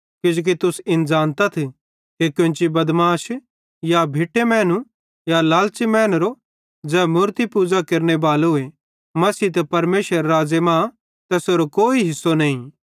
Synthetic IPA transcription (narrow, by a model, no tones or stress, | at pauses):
kɪd͡ʒoːk̬it̪ʊsɪ̃nd͡ʒaːnt̪at̪ʰ | kekjʊ̃nt͡ʃibɐd̪maːʃ | jabʱɪʈːemɛ̃ːnũ | jalaːlt͡ʃimɛ̃ːnɾo | d͡ʒɛːmuːɾt̪ipuːd͡ʒakɐɾnebaːlɦʊe | mɐsiːt̪ɐpɐɾmeːʃəɾːaːd͡ʒemãː | t̪ɛsoːɾokoːiɦɪsːonɐĩ